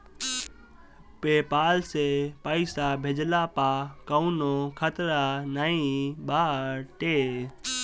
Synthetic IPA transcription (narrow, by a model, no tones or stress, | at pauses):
peːpaːlseːpəisaːbʱed͡ʒlaːpaːkəunõːkʰət̪ɾanəĩːɓaːʈeː